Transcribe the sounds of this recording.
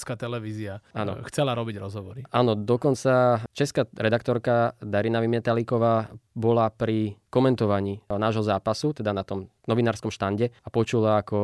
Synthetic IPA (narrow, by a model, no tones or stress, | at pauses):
skat̪ɛlɛʋiziaaːnɔ̰xt͡sɛlaɾɔbiɟɾɔzɦɔʋɔɾiaːnɔd̪ɔkɔnt͡sat͡ʃɛskaɾɛd̪ak̚t̪ɔɾkad̪aɾinaʋimɛt̪alikɔʋaːbɔlapɾikɔmɛnt̪ɔʋaɲiːnaːʒɦɔzaːpasut̪ɛd̪anat̪ɔm | nɔʋinaːɾskɔmʃt̪anɟɛapɔt͡ʃulaːkɔ